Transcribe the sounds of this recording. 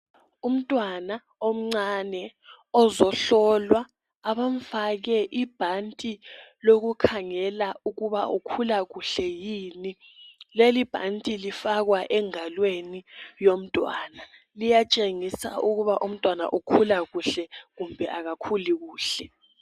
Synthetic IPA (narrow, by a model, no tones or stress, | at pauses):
um̩tʼwana | om̩ŋ͡ǀanɛ | ɔzɔɬɔlwaː | βaɱ̩faɣɛʔib̥ʱantʼiloɣukʰaŋɛlauɣuβaʔukʰulaɣuɬɛjiːni | lelib̥ʱa̰ntʼilifaɣwaʔɛŋalwenijom̩tʼwa̰ːna | lijat͡ʃʼeŋisa̰ʔuɣuβaʔum̩tʼwana̰ʔukʰulaɣuɬɛɣumbʱɛʔaɣakʰuliɣuːɬɛ